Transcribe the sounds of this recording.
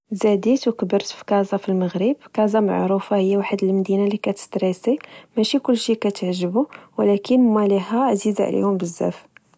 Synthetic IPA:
zæd̪it̪wkəbəɾt̪fi̥kɑzˤɑfilməɣɾibkɑzˤɑma̰ʕɾufahəjːawaħəd̪əlmd̪inalikæt̪ə̥st̪ɾisimæʃikʊlːʃikæt̪əʕʒəbuwəlækənmæliɦæʔziza̰ʕlḭhʊmbəzːæ̰f

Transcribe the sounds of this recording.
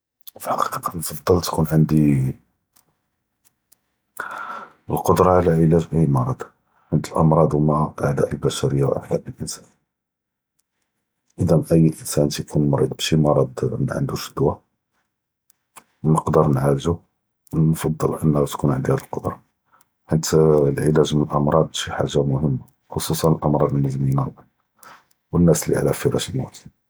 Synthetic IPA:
fiħɑqi̥qiqɑnfɑd̪ˤːəlt̪kunʕənd̪i | əlqod̪ɾˤɑʕlæʕəlæʒʔʔəjmɑɾˤɑd̪ | ʕənd̪əlʔɑ̰mɾˤɑd̪wmæʔaʕd̪æ̰ʔəlbæʃæɾəjːawʔa̰ħd̪æʔəlʔənsæn | ʔəd̪æmʔəjːlʔənsænt̪jkʰunmɾid̪̚bʃimɑɾˤɑd̪ʕə̰nd̪uʃəd̪wa | wnəqd̪əɾˤnʕalʒu | wnfɑd̪ˤːəlʔənːht̪kunʕənd̪hæd̪əlqɑd̪ɾˤɑ | ħat̪ːlʕilæʒmənəlʔɑmɾˤɑd̪̚ˤbʃiħa̰ʒːamʊhəmːa | xosˤusˤɑnəlʔɑmɾˤɑd̪nːəzmina | wənːæsəlːḭʕlæfəɾɑ̰ʃəlmut̪

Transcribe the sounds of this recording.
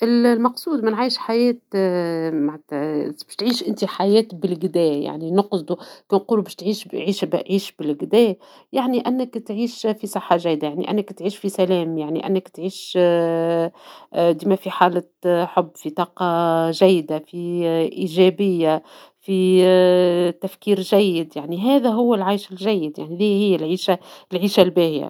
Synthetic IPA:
ʔɪllmɑqsˤuːd̪mɪnʕaːjɪʃħajɛːt̪ | maʕt̪bɪʃt̪ʕiːʃʔɪnt̪iħajɛːt̪bɪlɡɪd̪ɛːja̰ʕninʊqsd̪ukɛːnquːlubæːʃt̪ʕiːʃʕiːʃbʕiːʃbɪlɡd̪ɛː | jaʕniʔænːɪkt̪ʕiːʃfisˤɑħːaʒæjːd̪ajaʕnḭʔæ̰nːɪkt̪ʕiːʃfisælɛːmjaʕnḭʔæ̰nːɪkt̪ʕiːʃ | d̪iːmæfiħaːlɪ | ħobːfit̪ˤɑːqɑʒæjːd̪afiʔiːʒɛbɪjːa | fi | t̪æfkiːɾʒæjːɪd̪jaʕniɦæːðæɦʊwːælʕajʃɪlʒæjːɪd̪ja̰ʕniliːhɪjːælʕiːʃalʕiːʃalbæːhɪja̰

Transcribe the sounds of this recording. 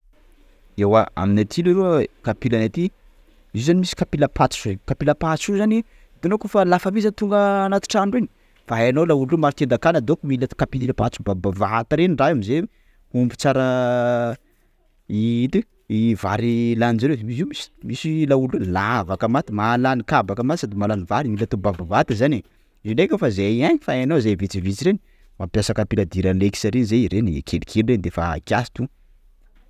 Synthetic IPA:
ewaa̰minat̪ʰiliɾukapilanat̪i | izanimisi̥kapilapʰat̪u̥kapilapasuzani | d̪̥enokofalafamizənt̪uŋɡəːnat̪i̥ʈ͡ʂaɳɖ͡ʐini̥ | faɦajanowlaululumaɾut̪end̪akanəd̪okumilakapiilapat͡subabavat̪aɾeniɳɖ͡ʐajamize | umbut͡saɾə | it̪i | ivaɾilanizaɾemiziumisi̥misilaulelavakəmat̪imalanikabakəmat̪sad̪imalanivaɾimilat̪ubabavat̪əzane | zinekʲəfazeaɲifaanazavit͡sivit͡siɾeni | mapjasakapilad̪iɾaleki̥saɾenzeiɾenḭkʰelikʰelirend̪efa̰kʲasi̥t̪u

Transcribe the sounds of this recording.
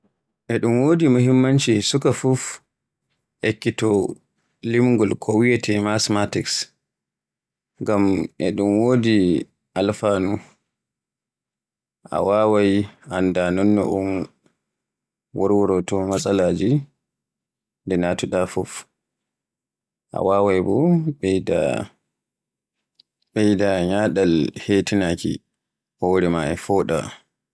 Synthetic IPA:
ʔɛɗumwoːdimohimːant͡ʃisukafuf | ʔekːitɔ | limɡɔlkʰɔwijɛtʰɛmasmatiks | ŋɡamʔɛɗumwoːdi | ʔalfaːnu | ʔa̰wawajandanɔnːɔ̰ʔum | wɔɾwɔɾɔtɔmasʼalaːd͡ʒi | ndɛnatɔɗafɔf | ʔa̰waːwajbɔɓɛda̰ | ɓɛjdaɲaːɗalhetinaːkḭ | ʔɔwɾɛmaɛ̰fɔːɗa̰

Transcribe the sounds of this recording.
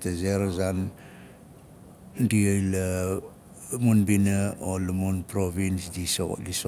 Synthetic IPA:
tazeɾzan | diojla | munbinaolamunpɾoβinsdiso̰liso

